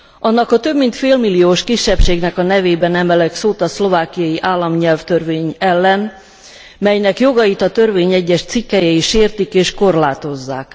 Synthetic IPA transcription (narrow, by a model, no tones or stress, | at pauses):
ɒnːɒkɒt̪ø̞bmint̪feːlmilːijoːʃkiʃːɛpʃeːɡnɛkɒnɛveːbɛnɛmɛlɛksoːt̪ɒslo̞vaːkijɒjiʔaːlːɒmɲɛlft̪ørveːɲɛlːɛn | mɛjnɛkjo̞ɡɒjit̪ɒt̪ø̞rveːɲɛɟːɛʃt̪sikːɛjɛiʃːeːrt̪ikeːʃko̞rlaːt̪o̞zːa̰ːk